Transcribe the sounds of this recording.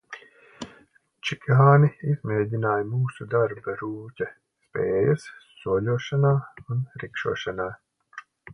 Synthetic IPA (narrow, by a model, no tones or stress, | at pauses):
t͡ʃikɦaːniizmeːɟʲinaːjmuːsud̪aɾbɐɾuːcʲɐ | speːjɐssuɔʎʲuːʃanaːunɾikʃṵɔːʃanaː